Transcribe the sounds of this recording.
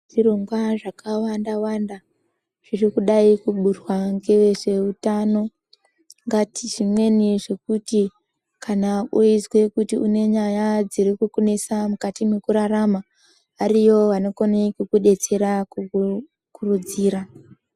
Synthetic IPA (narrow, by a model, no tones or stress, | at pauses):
ʐiroŋɡwaʐakawandawanda | ʐ̥irikuɗaikuɓurwaŋɡe̞ʋe̞ʐe̞utano̞ | ŋɡatiʐimwe̞niʐe̞kuti | kanaoizwe̞kutiune̞ɲajad͡ziɾikukunesamukatime̞kuɾaɾama | ʋaɾijo̞ʋano̞konekukuɗe̞t͡se̞ɾakuu | kurud͡ziːɾa